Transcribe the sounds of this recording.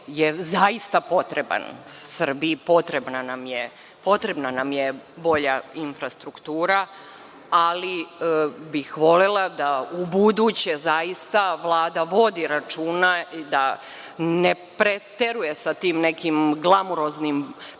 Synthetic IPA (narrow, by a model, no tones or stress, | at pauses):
jezaist̪apo̞t̪ɾeba̰nsr̩biipo̞t̪ɾebnanamje | po̞t̪ɾe̞bnanamjebo̞ʎainfɾast̪ɾukt̪uːɾa | ali | bixʋo̞lelˠad̪aubud̪uːt͡ɕezaist̪aʋlˠaːd̪aʋo̞d̪iɾat͡ʃuːnaid̪a | nepɾet̪eɾuje̞sat̪iːmnekimɡlˠamuɾoznim